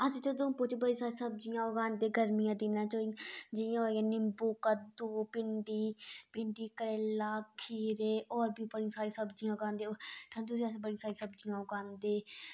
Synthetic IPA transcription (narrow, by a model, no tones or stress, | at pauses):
əsĩːt̪ed̪õpʊt͡ʃbəɽĩsaːɾiːsəb̚d͡ʒijãːʊɡaːnd̪eːɡʱəɾmɪjãːd̪ɪnãːt͡ʃoːid͡ʒɪjãːɦoãːnɪmbuːkəd̪uːpɪɳɖiːpɪɳɖiːkəɾeːlaːkʰiːɾeːʔɔːɾbʱiːbəɽĩːsaːɾiːsəbd͡ʒijãːɡãːnd̪eʈʰənt̪ʊsiəs̬iːbəɽiãːsaːɾiːsəbd͡ʒijãːʊɡãːnd̪eː